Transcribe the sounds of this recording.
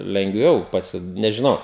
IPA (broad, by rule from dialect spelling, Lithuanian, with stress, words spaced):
lʲɛŋɡˈʋʲɛʊ pɐˈsʲɪ nʲɛʒʲɪˈnɐʊ